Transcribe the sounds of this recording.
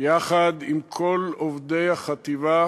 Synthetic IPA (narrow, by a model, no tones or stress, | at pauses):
jaχad̪imkʰo̞lovd̪e̞jhaχat̪iva